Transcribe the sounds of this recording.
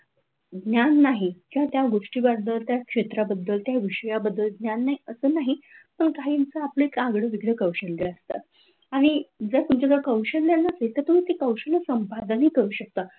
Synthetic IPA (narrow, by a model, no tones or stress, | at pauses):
ɡnjanːaɦikĩw̃ʋat̪jaɡoʂʈiːbad̪əlt̪jakʂet̪ɾabəd̪ːəlt̪jaʋiɕəjabəd̪ːəlɡnjanːaɦiəsəːnaɦipəɳkaɦiːmt͡səapləekaɡɽəʋiɡɽəkəwɕənɡeləəst̪a̰ | aɽ̃id͡zət̪umt͡ɕad̪əɾkəwɕənlanːaselt̪əɾt̪um̤iːt̪ikəwɕələsəmpad̪ʱanɦiːkəɾuːɕək̚t̪a